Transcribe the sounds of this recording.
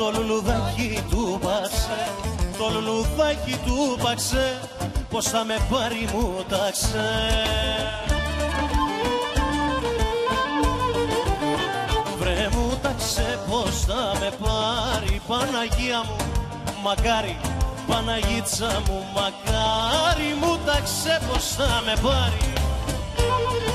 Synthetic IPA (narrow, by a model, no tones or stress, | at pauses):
t̪o̞luluðɐcit̪upɐkset̪o̞luluðɐcit̪upɐkse | po̞sθɐme̞pɐɾimut̪ɐkse | vɾemut̪ɐkseposθɐme̞paɾipɐnɐʝiɐmu | mɐkɐɾipɐnɐʝit͡sɐmumɐkɐɾimut̪ɐksepostɐme̞pɐɾi